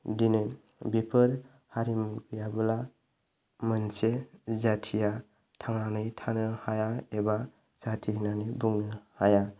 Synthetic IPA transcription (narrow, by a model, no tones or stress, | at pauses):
dinɯ | bipʰɯɾ | haɾimbijabɯla | mɯnsezatʰija | tʰaŋanɯjtʰanɯhajaeba | satʰiɦinanebuŋnɯhaja